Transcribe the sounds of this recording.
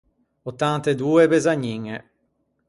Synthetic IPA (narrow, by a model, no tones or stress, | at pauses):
ot̪ːant̪ed̪uːebezaɲːiŋe